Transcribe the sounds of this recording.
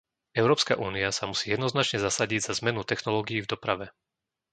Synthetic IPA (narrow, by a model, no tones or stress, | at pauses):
ɛʊɾɔːpska̰ʔuːniasamusiːjɛd̪nɔznat͡ʃɲɛzasaɟiɟz̥azmɛnut̪ɛxnɔlɔːɡijivd̪ɔpɾaʋɛ